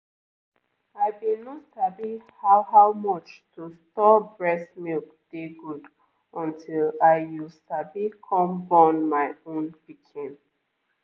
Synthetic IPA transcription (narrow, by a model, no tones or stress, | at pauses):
aɪbĩnosabihawhawmɔt͡ʃtustɔbɹɛsmilk | d̥eɡud | ɔ̃ntʰilaɪjulsabikʰɔ̃mbɔ̃nmaɪõnpikʰĩn